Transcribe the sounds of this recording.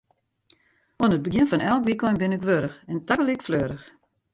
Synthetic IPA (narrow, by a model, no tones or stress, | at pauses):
onət̚bəɡɪnfɔnɛlˠkʋikɔnbɪnɪkʋøɾəxɛntakəlikfløːɾəx